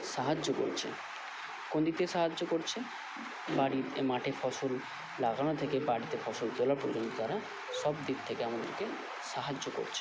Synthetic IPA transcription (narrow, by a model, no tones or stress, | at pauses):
ʃaɦad͡ʑːoko̰ɾt͡ɕʰḛ | kond̪it̪eʃaɦad͡ʑːokoɾt͡ɕʰe | baɽimaʈʰefɔsol | laɡañot̪ʰekebaɽit̪efɔsolt̪olaɾpoɾd͡ʑont̪ot̪aɾa | ʃɔbd̪itt̪ʰekeamad̪eɾke | ʃaɦad͡ʑːoko̰ɾt͡ɕʰe̥